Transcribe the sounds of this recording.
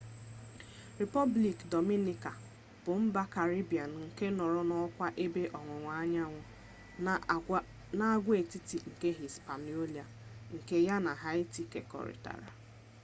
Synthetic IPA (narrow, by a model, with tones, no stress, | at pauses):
ɾi˨pɔ˦bli˨kdɔ˨mi˦ni˦˨ka˨ | b̥ʊ˨m̩˦ba˦ka˨ɾi˦bi˨a˨nŋ̩˨ke˦nɔ˨ɾɔ˦nɔ˦kʷa˦ʔe˦be˦ʔɔ˨ŋʷe˨ŋʷa˨˦a˦ɲa˦ŋʷʊ˨ | na˦a˦ɡʷe˨ti˦ti˨ŋ̩˨ke˦ɦi˨spa˨ni˨˦o˦li˨a˨ŋ̩˨ke˦ja˦na˨ɦa˦ɪ˦ti˨ke˨kɔ̰˨ɾḭ˨ta̰˨ɾa̰˨